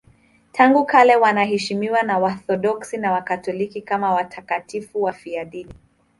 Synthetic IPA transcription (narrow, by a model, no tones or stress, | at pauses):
tʰaŋɡukalɛwanaɦɛʃimiwanawaθɔɗɔksinawakatɔlikikamawatʰakatifuwafiaɗini